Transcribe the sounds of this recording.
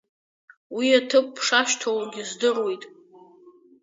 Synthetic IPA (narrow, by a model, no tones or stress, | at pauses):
wiatʰɨp̚ʼːʰʂaʃtʰowaɡʲɪzdɨrwejtʼ